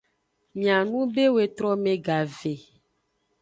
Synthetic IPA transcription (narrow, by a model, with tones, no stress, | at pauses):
mĩ˨ã˨nũ˦be˦we˨t̪ɾɔ˦mẽ˨ɡa˨ve˨